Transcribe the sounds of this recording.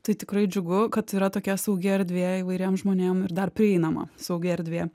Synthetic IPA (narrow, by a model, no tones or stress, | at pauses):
t̪ɐɪt̪ʲɪkɾɐɪd͡ʒʲʊɡʊkɐt̪iːɾɐt̪oːkʲɛsɐʊɡʲɪɐɾʲd̪ʲʋʲeːiʋɐɪɾʲeːmʒmoːnʲeːmɪɾd̪ɐrpʲɾʲɪɛɪnɐmɐ̰sɐʊɡʲɪɛɾʲd̪ʲʋʲeː